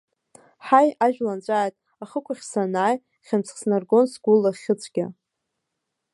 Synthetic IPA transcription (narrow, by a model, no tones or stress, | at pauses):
ħajaʒᶣlant͡ɕʷʼaːjtʼ | aχəkʷʰaχʲsanaːj | χʲamt͡sʰχsnarɡo̞nsɡʷulːaχʲɪt͡sʷʰʼɡʲa̰